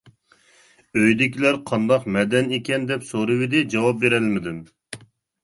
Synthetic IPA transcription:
øjd̪ɪkʲilæɾqʰɑnd̪ɑqmɛd̪ɛnekʲɛnd̪ɛpsoɾɨwɪd̪ɪd͡ʒɑwɑp̚beɾɛlmɪd̪ɪm

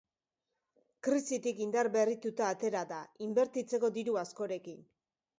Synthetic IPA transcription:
kɾisit̪ikind̪arβe̞rit̪ut̪aːt̪e̞ɾaðaimbe̞ɾt̪it͡se̞ko̞d̪iɾuasko̞ɾe̞kin

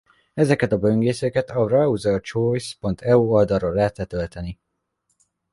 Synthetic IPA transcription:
ɛzɛkɛt̪ɒbøŋɡeːsøkɛt̪ɒrɑuzɛt͡ʃojspo̞nt̪ʰɛuold̪ɒroːlɛːt̪ːɛt̪ø̞lt̪ɛni

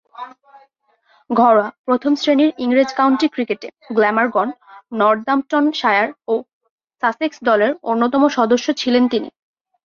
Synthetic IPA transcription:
ɡʱɔɾapɾot̪ʰomsɾeniɾiŋɾed͡ʑkawɳʈikɾikeʈe | ɡlɛmaɾɡɔnːɔɾd̪amʈonʃaeaɾo | saseksd̪ɔleɾonːot̪̬ɔmoʃɔd̪oʃːot͡ɕʰilent̪inḭ

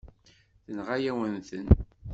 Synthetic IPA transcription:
θənʁajæwənθən

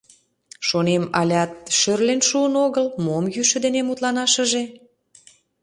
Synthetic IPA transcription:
ʃonemɑlʲɑt̪̚ʃørlenʃuənoɣəlmomjyʃə̆d̪enemut̪lɑnɑʃə̆ʒe

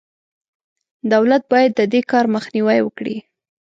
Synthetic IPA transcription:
d̪awlat̪̚bɑjad̪ːəd̪ekɑɾməxniwajwəkɽḭ

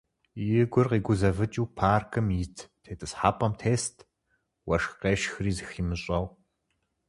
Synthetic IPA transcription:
jɪɡʷʊrqiːɡʷʊzɐvɨt͡ʃʼiːpʰaːrkʰɨmjɪtʰtʰeːtʼɨsħaːpʼɐmtʰeːstʰ | wɐʂqeːʃxɨriːzɨximɨɕʼɐw

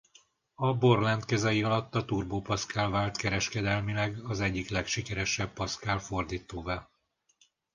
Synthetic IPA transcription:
ɒbo̞rlɛnt̪kɛzɛjiɒlɒt̪ːɒt̪uːrboːpɒskaːlvaːlt̪kɛɾɛʃkɛd̪ɛlmilɛɡɒzɛɟːiklɛkʃikɛɾɛʃɛbpɒskaːlfo̞rd̪iːt̪oːvaː

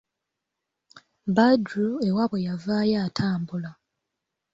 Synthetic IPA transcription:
badɾue̞waβwejavaːjaːtʰaːmbula

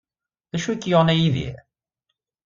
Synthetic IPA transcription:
ðæʃukːjoʁnæjiðḭ

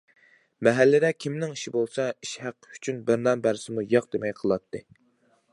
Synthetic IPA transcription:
mɛɦælːɪd̪ɛkʲʰimnɪŋiʃibolˠsɑiʃhæqːy̥t͡ʃʰynbɪɾnɑnbæɾsɪmujɑqd̪emɛjqʰəlˠɑt̪ʰːɨ

